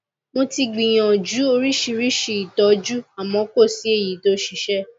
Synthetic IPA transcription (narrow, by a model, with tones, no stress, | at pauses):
mo˧ti˧ɡ͡bĩ˨j̃ã˨d͡ʒu˨˦o˧ɾi˦ʃi˧ɾi˦ʃi˧i˨tɔ˨d͡ʒu˦a˨mɔ̃˨˦ko˦˨si˨˦e˦˨ji˨˦to˦ʃi˧˦ʃɛ˦